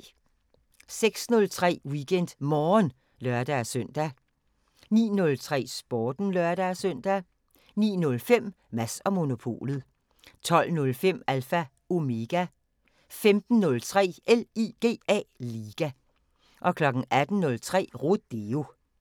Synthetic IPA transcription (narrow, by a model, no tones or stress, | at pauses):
seɡ̥snɔ̽lt͡sʰʁɛ̰ːwiɡ̥en̰d̥mɒːn | lɶɐd̥æsøn̰d̥æ | nḭːnɔ̽lt͡sʰʁɛ̰ːsb̥ɒːd̥n̩lɶɐd̥æsœn̰d̥æ | nḭːnɔ̽lfem̰ | mæsɒ̽mo̝no̝pʰo̝̰ːlð̩ˠ | t͡sʰɒ̽l̰nɔ̽lfem̰ælfæ | o̝me̝ɡ̥æ | femd̥n̩ːɔ̽lt͡sʰʁɛ̰ːeliɡ̥e̝̰ːɛ̰liːɡ̥æ | ʔɒ̽kʰlɒ̽ɡ̥ŋ̩æd̥n̩nɔ̽lt͡sʰʁɛ̰ːʁod̥eo̝